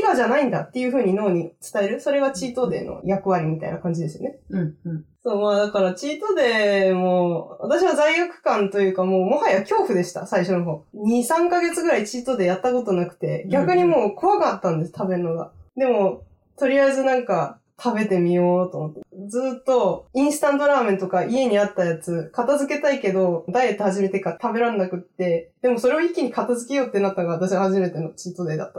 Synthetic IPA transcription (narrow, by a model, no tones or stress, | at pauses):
iɡaʑanaĩnd̪at̪ːe̞jɯ̟ɸɯ̟ːɲ̟ino̞ːɲ̟it͡sɨ̥t̪ae̞ɾɯ̟so̞ɾe̞ɡat͡ɕiːt̪o̞ːd̪e̞̰ːno̰jakɯ̟βaɾʲimʲit̪a̰ḭnakãɲ̟d͡ʑid̪e̞sɨjo̰ne̞ | so̞ːmaːd̪akaɾat͡ɕiːt̪o̞ːd̪e̞ːmo̞βat̪aɕ̬iβazaiɡakɯ̟̥kãnt̪o̞jɯ̟ːkamo̞ːmo̞hajakʲo̞ːɸɯ̟d̪e̞ɕi̥t̪a̰saiɕo̞noɦo̞ːɲ̟isãŋkaɡe̞t͡sɨɡɯ̟ɾait͡ɕiːt̪o̞ːd̪e̞jat̪ːako̞t̪o̞nakɯ̟̥t̪e̞̰ɡʲakɯ̟ɲ̟imo̞ːkʰo̞βakat̪ːãnd̪e̞sɨ̥t̪ʰabe̞nːo̞ɡa̰d̪e̞mo̞ | t̪o̞ɾʲiaezɨnãŋka | t̪ʰabe̞t̪e̞mʲijo̞ːt̪o̞mot̪ːed͡zɨːt̪ːo̞ĩɰ̃sɨ̥t̪ãnd̪o̞ɾaːmẽ̞nt̪o̞kaʔie̞ɲ̟iat̪ːajat͡sɨkat̪azɨke̞t̪aike̞d̪o̞d̪ajet̪ːohaʑime̞t̪e̞kat̪abe̞ɾãnːakɯ̟t̪ːe̞d̪̥e̞mo̞so̞ɾe̞o̞ikʲːiɲ̟ikat̪azɨke̞jo̞ːt̪ːe̞nat̪ːaɡaβat̪̬aɕiahaʑime̞t̪e̞no̞t͡ɕiːt̪o̞d̪ed̪a̰t̪ːa